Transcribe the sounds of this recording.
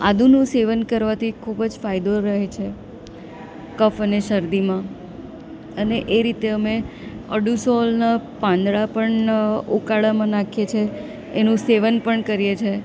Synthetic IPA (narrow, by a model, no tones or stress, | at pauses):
a̰d̪ʱunũseʋənkəɾʋat̪ʰikʰubəd͡ʒfajd̪oɾəɦet͡ʃʰe | kəfəneʃəɾd̪imã | əneʔeɾit̪eəmeəɖusɔlnapãnd̪ɭapəɳukaɭamãnakʰiet͡ʃʰeː | nũseʋənpəɳkəɾijet͡ʃʰe